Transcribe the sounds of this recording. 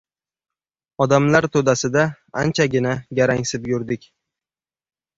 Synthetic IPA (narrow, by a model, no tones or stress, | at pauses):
ɒd̪amlaɾt̪ʰod̪asɪd̪a | ant͡ʃʰaɡʲɪnaɡʲaɾaŋsɪpjʊɾd̪ɪkʲ